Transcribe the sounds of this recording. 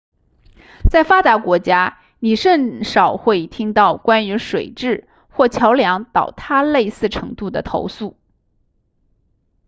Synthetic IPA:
t͡sa˥˩ɪfa˥t̪a˧˥kwɔ˧˥t͡ɕja˥ | ni˨˩ʂə˥˩nʂɑ˨˩ʊxwe˥˩ɪt̪ʰi˥ŋt̪ɑ˥˩ʊkwa˥ny˧˥ʂwe˨˩ɪʈ͡ʂɻ̩˥˩ | xwɔ˥˩t͡ɕʰjɑ˧˥ʊljɑ˧˥ŋt̪ɑ˨˩ʊt̪ʰa˥le˥˧ɪsɹ̩˥˩ʈ͡ʂʰɤ˧˥ŋt̪u˥˩d̪ə˩t̪ʰo̰˧˥ʊsu˥˩

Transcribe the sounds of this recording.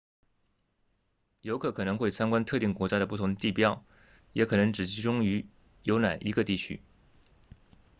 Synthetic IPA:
jo˧˥ʊkʰɤ˧˥kʰɤ˨˩nɤ˧˥ŋxwe˥˩ɪt͡ɕʰa˥nkwa˥nt̪ʰɤ˥˧t̪i˥˩ŋkwɔ˧˥t͡ɕja˥ɾə˨pu˥˩t̪ʰʊ˧˥ŋt̪i˥˧˩pjɑ˥˩ʊ | jɛ˧˥kʰɤ˨˩nɤ˧˥ŋʈ͡ʂɻ̩˨˩t͡ɕʰi˧˥ʈ͡ʂʊ˥ŋy˧˥ | jo˧˥ʊna˨˩ɪʔi˧˥ɡə˧t̪i˥˩t͡ɕʰy̰˥

